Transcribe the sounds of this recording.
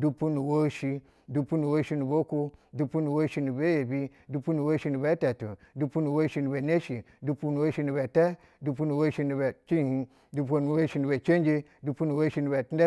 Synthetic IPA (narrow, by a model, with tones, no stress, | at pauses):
du˧pu˦nu˨wo˦ʃi˧ | du˧pu˦nu˨wo˦ʃi˧nu˨bo˦ku˦du˦pu˦nu˨wo˦ʃi˦nu˨be˦je˨bi˦du˦pu˦nu˨wo˦ʃi˧nu˨be˦te˨tu˨ | du˧pu˦nu˨wo˦ʃi˧nu˨be˨ne˦ʃi˨ | du˦pu˦nu˨wo˦ʃi˧˦nu˨be˨te˦ | du˧pu˦nu˨wo˦ʃi˧nu˨be˨t͡ʃi˦˨hi˦ | du˦p̬u˦o˦nu˨wo˦ʃi˧˦nu˨be˨t͡ʃe˦n˦d͡ʒe˦ | du˧pu˦nu˨wo˦ʃi˧˦nu˨be˨ti˦e˦